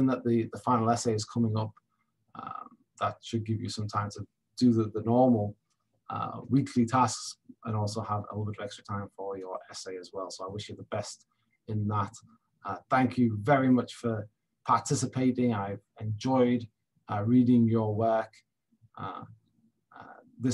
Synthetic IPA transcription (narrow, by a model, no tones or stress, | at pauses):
ə̃nðəʔ̪̚ðəðəfãɪ̃nl̩ˠɛseɪɪz̥kʰʌmɪ̃ŋʌp̚ | ʌ̰m | ðətʃɨd̚ɡɪvjəsʌ̃mtʰãɪ̃mtʰə | d̥əðəðənɔːməl̩ˠ | ʌ̰wiˑkʰlitʰasksʔə̃ñɔˑlˠsoʊəvə̰bʊbədəɹɛkstɹ̥ətʰãɪ̃ɱfə˞jə˞ʔɛseɪəzwɛlˠsoʊaɪwɪʃjəðəbɛst | ɪ̃nðət | ʌθæ̃ŋkʰjəvɛɹimʌt͡ʃfə | pʰɑɹtʰɪsɪpʰeɪtɪ̃ŋaɪvɛ̃nd͡ʒɔɪd | əɹiːdɪ̃ŋjəwɜˑ˞k | ʔʌ̰ | ʌ̰ | ðɪ